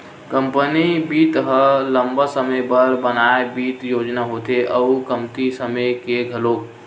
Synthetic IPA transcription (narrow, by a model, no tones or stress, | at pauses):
kəmpənibit̪ɦələmbəsəməjbəɾbənaebit̪jod͡ʒnaɦot̪eʔəukəmt̪isəmekeɡʱəlok